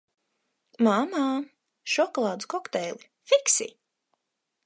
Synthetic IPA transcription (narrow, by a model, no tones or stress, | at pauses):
mama | ʃɔkɔlˠaːd̪zkɔkt̪ɛjli | fiksḭ